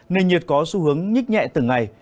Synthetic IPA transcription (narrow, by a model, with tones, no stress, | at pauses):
ne˧˩nɲɨ˨˩ət̚kɔ˨˦su˧˦hɨ˨˦əŋɲi˦˥t̚ɲɛ̰˧˨t̪ɨ˨˩ŋːa˨˩j